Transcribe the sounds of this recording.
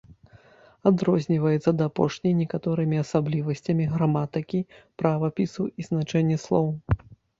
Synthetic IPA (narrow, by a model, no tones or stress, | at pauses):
ad̪ɾɔzʲnʲivɐjɛt̪sːɐd̪ɐːpɔʂnʲɐjnʲɛkat̪ɔɾɨmʲiasablʲivɐsʲt͡sʲɐmʲiɣɾamat̪ɨkʲipɾavɐpʲisuiznat͡ʂɛnʲːɛslˠɔw